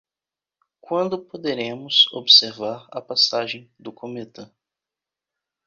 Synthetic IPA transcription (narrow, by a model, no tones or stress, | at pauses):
kwɐ̃nd̪ʊpod̪eɾẽmʊso̰bseɾvaɾɐ̰pasaʒẽj̃d̪ʊkʰomet̪ɐ̃